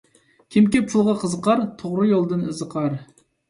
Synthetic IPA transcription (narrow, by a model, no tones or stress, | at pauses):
kʲʰimkʲepʰulˠʁɑqʰəzəqɑɾt̪ʰoʁɾɨjolˠd̪ɨnɨzəqʰɑɾ